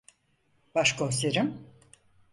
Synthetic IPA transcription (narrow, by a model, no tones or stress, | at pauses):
b̥aʃkoseɾim